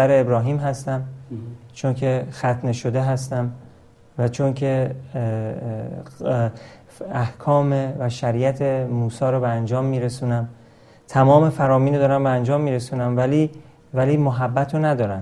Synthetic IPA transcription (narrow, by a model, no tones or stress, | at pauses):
æɾeebɾɒːɦiːmhæst̪æmt͡ʃʰoncʰe̞xæt̪ʰneʃod̪e̞ɦæst̪æm | væt͡ʃʰoncʰe̞ | æhkʰɒːmevæʃæɾijæt̪ʰemuːsɒːɾɔːbeænd͡ʒɒːmːiːɾesunæm | t̪ʰæmɒːme̞fæɾɒːmiːnod̪ɒːɾæmbeænd͡ʒɒːmːiːɾe̞suːnæmvæli | væliːmoɦæbːæt̪ʰɾonæd̪ɒːɾæn